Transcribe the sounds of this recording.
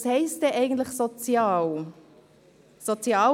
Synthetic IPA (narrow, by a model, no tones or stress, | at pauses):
shɛɪstdɛːʔæɪɡən̩t̪lɪxsot͡sjɑːl | sot͡sjɑː